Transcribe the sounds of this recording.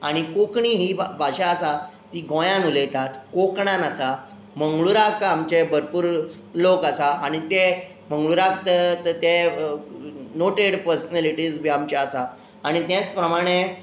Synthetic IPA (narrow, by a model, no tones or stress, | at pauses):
aɽ̃ikokɳiɦiːbʱaɕaəsa | t̪iɡʱõjãnulejt̪at̪kokɳãnasa | məŋɡɭuɾakkamt͡ɕebʱəɾpuːɾ | lokasaaɽ̃it̪e | m̤ə̃ŋɡɭuɾakt̪ət̪e | noʈeɽpəɾsənaliʈid͡zbʱiamt͡ɕaasaː | ɽ̃it̪jẽt͡spɾəmaɽ̃e